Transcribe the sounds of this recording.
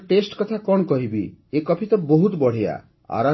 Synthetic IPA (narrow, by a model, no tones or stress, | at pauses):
ʈesʈkɔt̪ʰakɔɽ̃ɔkɔɦibiekɔpʰit̪ɔbɔɦut̪bɔɽ̤ija̰ | a̰ɾa